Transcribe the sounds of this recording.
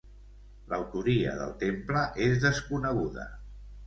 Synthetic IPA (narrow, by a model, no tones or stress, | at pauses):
ləwt̪uɾiə̰ðə̰lˠt̪empləʔezðəskunəɣ̞uðə̰